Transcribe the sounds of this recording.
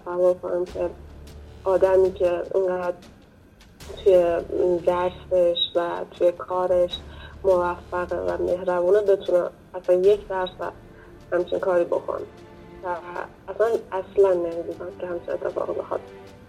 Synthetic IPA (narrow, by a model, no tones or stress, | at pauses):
t̪ʰsævːoɾkʰo̰næmcʰe̞ | ʔɒːd̪æmiːcʰeḭŋɢæd̪̚ | t̪ʰujed̪æst̪eʃvæt̪ʰujekʰɒːɾe̞ʃmovæfːæɣḛvæ̰me̞ɦɾæbuːnebe̞t̪ʰunæm | æsænje̞cd̪æɾsæ̰ | hæmt͡ʃʰiŋkʰɒːɾiːbo̞̰kʰo̰n | væː | sænæslænːemiːd̪ud̪æmkʰehæmt͡ʃʰinet̪ʰːe̞fɒ̰ːɣibexɒ̰ːd̪̚b